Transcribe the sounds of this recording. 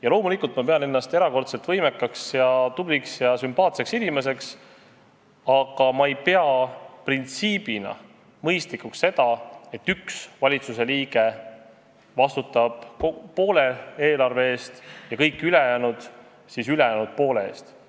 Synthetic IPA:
jɑlo̞ːmulikːˑult̪mɑpe̞ɑne̞nːɑst̪e̞ɾɑko̞rt̪selt̪vɤjme̞kːˑɑksjɑt̪ub̥liksjɑsympɑːt̪se̞ksilʲimes̬e̞ks | ɑɡ̥ɑmɑejpe̞ɑprint̪siːb̥inɑ̰ | mɤjst̪likuksːe̞d̪̥ɑe̞t̪ːyksvɑlʲit̪suse̞liːɡ̥e̞ | vɑst̪ut̪ːɑb̥po̞ːle̞eːlɑrve̞e̞ːst̪jɑkɤjkːˑylejæːnud̪̥ | sisylejæːnud̪̥̚po̞ːle̞eːst̪

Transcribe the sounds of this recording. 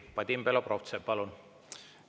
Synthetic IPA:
pɑd̪ʲimbeloproft̪sepɑlun

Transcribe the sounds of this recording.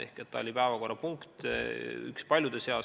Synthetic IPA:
e̞̰hket̪ːɑ̰o̞lipæevɑko̞rːɑpuŋkt̪y̰kspɑlʲjud̪̥eseɑ

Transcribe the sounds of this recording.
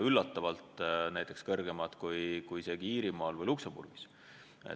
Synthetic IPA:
ylːɑt̪ːɑvɑlt̪næjt̪ːˑe̞kskɤrɡe̞mɑt̪ˑkujkujse̞ːɡ̥iiːɾimɑːlvɤjluksombṵrɡ̥i̥s | ḛ

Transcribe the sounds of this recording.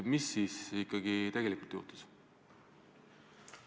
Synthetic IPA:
misːiːsikːˑɑɡit̪æjɡ̥e̞likult̪jṵːt̪u̥s

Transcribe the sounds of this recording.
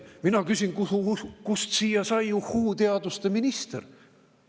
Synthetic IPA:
minɑkysʲinkukust̪siːjɑsɑjuhuːt̪e̞ɑd̪ust̪e̞minist̪ḛr

